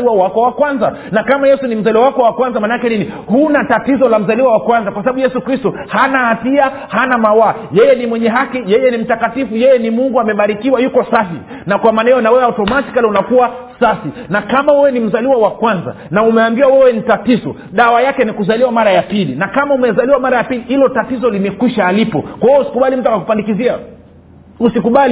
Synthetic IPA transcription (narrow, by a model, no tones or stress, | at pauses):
liwawakɔwakwanza | nakamajɛsunim̩zaliwawakɔwakwanzamanaakɛninihunatatizɔlam̩zaliwawakwanzakwasaɓaɓujɛsukɾistɔ | hanaːtia | hanamawa | jɛjɛnimwɛɲɛɦakijɛjɛnim̩takatifujɛjɛnimuŋɡuamɛɓaɾikiwajukɔsafi | nakwamaːnajjɔnawɛwɛautɔmasi̥kalɛunakuwasafinakamawɛwɛnim̩zaliwawakwanza̰naumɛambiwawɛwɛnitatizɔ̰ | ɗawajakɛnikuzaliwamaɾajapilinakamaumɛzaliwamaɾajapilihilɔtatizɔlimɛkwiʃaːlipɔkwaɔusi̥kuɓalim̩tuakakupandikizia | usikuɓali